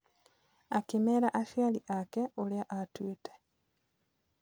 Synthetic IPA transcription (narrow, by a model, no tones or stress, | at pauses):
akimeɾaʔaʃjaliʔakeʔoljaʔatwitʰe̥